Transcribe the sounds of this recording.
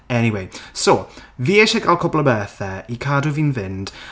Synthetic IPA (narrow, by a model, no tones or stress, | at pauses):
ɛniwejsoviːeʃɛɡalˠkʰɔblˠəbɛːθɛikʰadɔviːnvɪnd̥